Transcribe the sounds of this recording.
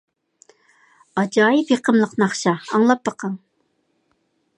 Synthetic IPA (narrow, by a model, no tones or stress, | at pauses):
ɑd͡ʒɑːjɪpjeqʰəmlˠəqnɑχʃɑːŋlˠɑp̚ːɑqʰɑŋ